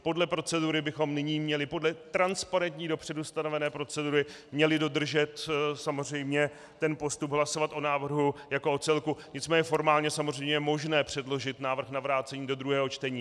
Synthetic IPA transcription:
po̞dlɛpɾo̞t͡sɛduɾɪbɪxo̞mnɪɲiːmɲɛlɪpo̞dlɛt̪ɾanspaɾɛnt̪ɲiːdo̞pr̝̥ɛdust̪ano̞vɛnɛːpɾo̞t͡sɛduɾɪ | mɲɛlɪdo̞d̪r̩ʒɛt̪samo̞r̝ɛjmɲɛ | t̪ɛnpo̞st̪ubɦlaso̞vat̪ʔo̞naːvr̩ɦujakoʔot͡sɛlkuɲɪt͡smɛːɲɛfo̞ɾmaːlɲɛsamozrɛjmɲɛjɛmo̞ʒnɛːpr̥ɛdlo̞ʒɪt̪naːvr̩xnavɾaːt͡sɛɲiːdo̞d̪ɾuɦɛːɦot͡ʃt̪ɛɲiː

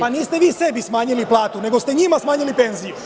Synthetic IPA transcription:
paniːst̪e̞ʋiːse̞bismaːɲiliplˠaːt̪une̞ɡo̞st̪eɲimasmaːɲilipe̞nziju

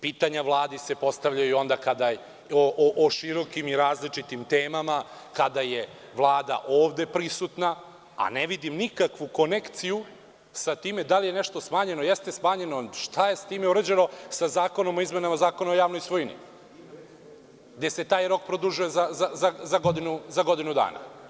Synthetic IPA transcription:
piːt̪aɲaʋlˠaːd̪ise̞po̞st̪aʋʎajiuo̞nd̪akad̪a | oʔʔoʃiɾo̞kimiɾaːzlit͡ʃit̪imt̪eːmama | kad̪aje̞ | ʋlˠaːd̪a̰ʔoːʋd̪e̞pɾisut̪na | a̰neʋid̪imnikakʋuko̞nekt̪siju | sat̪iːmed̪alije̞neʃt̪o̞smaːɲe̞nojest̪e̞smaːɲe̞noʃt̪ʰajesat̪iːmeuɾəd͡ʑeno̞sazaːko̞no̞mo̞izmenamazaːkonaojaːʋnojsʋojnḭ | ɡd̪eset̪aːjɾo̞k̚pɾod̪uʒujezazazazaɡod̪inuzaɡo̞d̪inud̪a̰ːna̰

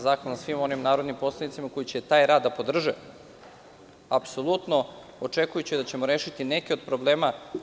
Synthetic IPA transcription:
zaːkonasʋimo̞nimnaːɾod̪nimpo̞slˠanit̪simako̞jit͡ɕet̪aːjɾaːd̪ːapo̞d̪r̩ʒe | apso̞lˠut̪no̞ | ot͡ʂekujut͡ɕid̪at͡ɕe̞moɾeːʃit̪inekeo̞d̪̚pɾoble̞ːma

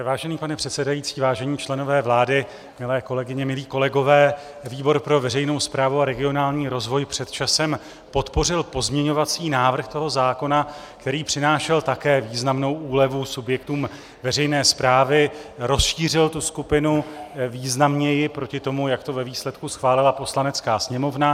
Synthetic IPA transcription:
vaːʒɛniːpanɛpr̥ɛt̪sɛdajit͡siːvaːʒɛɲiːt͡ʃlɛno̞vɛːvlaːdɪ | mɪlɛːko̞lɛɡɪɲɛmɪliːko̞lɛɡo̞vɛː | viːbo̞ɾpɾo̞vɛrɛjno̞wspɾaːvuaɾɛɡɪo̞naːlɲiːɾo̞zvo̞jpr̝̥ɛt̪t͡ʃasɛm | po̞t̪po̞r̝ɪlpo̞zmɲɛɲo̞vat͡siːnaːvr̩xt̪o̞ɦo̞zaːko̞na | kt̪ɛɾiːpr̝̥ɪnaːʃɛlt̪akɛːviːznamno̞wʔuːlɛvusubjɛkt̪uːm | vɛrɛjnɛːspɾaːvɪɾo̞sʃiːr̝ɪlt̪uskupɪnuviːznamɲɛjɪpɾo̞cɪt̪o̞mujakt̪o̞vɛviːslɛt̪kusxvaːlɪlapo̞slanɛt͡skaːsɲɛmo̞vna

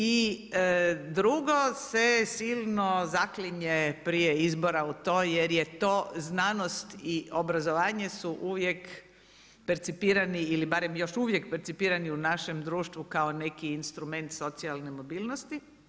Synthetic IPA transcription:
i | d̪ɾuɡo̞sesiːlˠno̞zakliɲepɾijeizboɾaut̪oːjeɾjet̪oːznaːno̞st̪iobɾazoʋaːɲesuʔuʋje̞k | peɾt̪sipiːɾaniilibaɾe̞mjo̞ʃuʋjekpeɾt̪sipiːɾaniunaʃe̞md̪ɾuːʃt̪ʋukaone̞kiːnst̪ɾume̞nt̪so̞t̪sialˠnemo̞biːlˠnost̪i

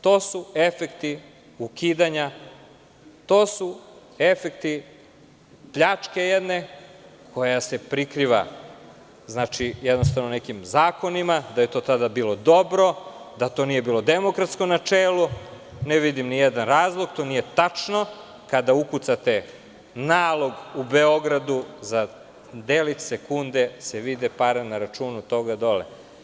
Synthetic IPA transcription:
t̪o̞ːsuefekt̪i | ukiːd̪aɲa | t̪o̞ːsu | efekt̪i | pʎat͡ʂke̞jed̪ne | kʰo̞jase̞pɾikɾiʋa̰ | znaːt͡ʃijed̪nost̪aʋnone̞kimzaːko̞nimad̪ajet̪o̞ːt̪ad̪abiːlo̞d̪o̞bɾo̞d̪at̪o̞nije̞biːlod̪emokɾat̪skonat͡ʃeːlˠu | neʋid̪imnijed̪anɾaːzlˠoɡt̪o̞nije̞t̪at͡ʂno̞ | kad̪aukut̪sat̪e̞ | naːlˠo̞ɡubeo̞ɡɾad̪uza | d̪elit̪sekund̪eseʋid̪ɛpaɾenaɾat͡ʂuːnut̪o̞ɡad̪o̞lḛ

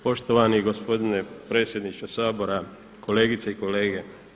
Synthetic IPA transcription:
poʃt̪oʋaniɡospo̞d̪inepɾeːt̪sjed̪niʃt̪ʋosaːboɾa | koleːɡit̪seiko̞leːɡe

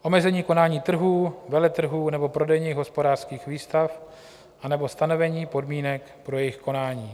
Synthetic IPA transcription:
ʔo̞mɛzɛɲiːko̞naːɲiːt̪r̩ɦuːvɛlɛt̪r̩ɦuːnɛbo̞pɾo̞dɛjɲiːɣɦo̞spo̞daːr̥skiːxviːst̪af | ʔanɛbo̞st̪ano̞vɛɲiːpo̞dmiːnɛk | pɾo̞jɛjɪxko̞naːɲiː

